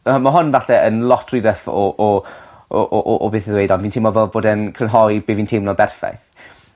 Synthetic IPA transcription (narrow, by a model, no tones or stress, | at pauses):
maɦʊnvaɬɛənlˠɔtʰruijðəfɔʔɔ | ʔʔʔːbeːθəðwejdɔnviːntʰɪmɔvɛlˠboːdənkʰrənɦɔjbeːviːntʰemnɔbɛrfa̰jθ